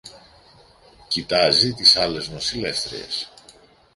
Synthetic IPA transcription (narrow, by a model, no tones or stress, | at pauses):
cit̪ɐzit̪isɐle̞znosile̞fθɾḭe̞̰s